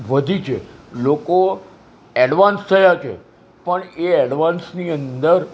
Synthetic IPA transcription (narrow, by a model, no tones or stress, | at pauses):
ʋəd̪ʱit͡ʃʰeloko | ɛɖʋãnst̪ʰəjat͡ʃʰḛ | pəɳeɛɖʋãnsniənd̪əɾ